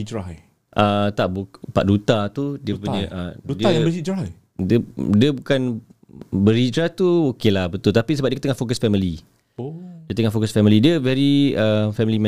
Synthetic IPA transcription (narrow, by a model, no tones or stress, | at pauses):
id͡ʒɾaj | ʔət̪aʔbupa̰ʔdut̪at̪udiəpuɲəʔədiaəsid͡ʒɾaj | diədiəbukan | bəɾid͡ʒɾaht̪uokelahbət̪ʊlt̪apisəbap̚diəkət̪əŋafokəsfɛmili | odiət̪əŋafokəsfɛmilidiəvɛɾiəfɛmilimɛ̃